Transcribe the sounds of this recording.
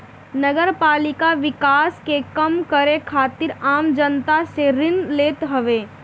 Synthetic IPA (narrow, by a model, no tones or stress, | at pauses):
nəɡəɾpaːlɪkaʋɪkaːskekəmkəɾekʰaːt̪ɪɾaːmd͡ʒənt̪aseɾɪnleːt̪ɦəʋeː